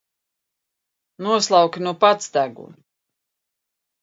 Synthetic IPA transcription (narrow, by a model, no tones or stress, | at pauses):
nuɔslˠawkʲinuɔpat̪sd̪æɡṵ